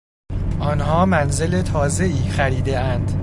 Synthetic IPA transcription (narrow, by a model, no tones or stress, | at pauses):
ʔɒːnɦɒːmænzelet̪ʰɒːze̞iːxæɾiːd̪e̞ænd̪̥